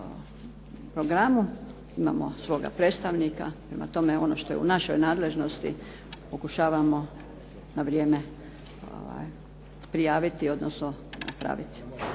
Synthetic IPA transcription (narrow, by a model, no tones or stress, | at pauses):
pɾoɡɾamu | ima̰ːmo̞̰sʋo̞ːɡa̰pɾeːt̪st̪aʋnika̰pɾe̞ma̰t̪o̞me̞o̞no̞ːʃt̪o̞jḛṵnaʃojnaːd̪le̞ʒno̞st̪ḭ | po̞kuʃaːʋamo̞ | naʋɾje̞ːme | o̰ʋa̰j | pɾijaːʋit̪io̞d̪nosnona̰pɾa̰ʋit̪i̥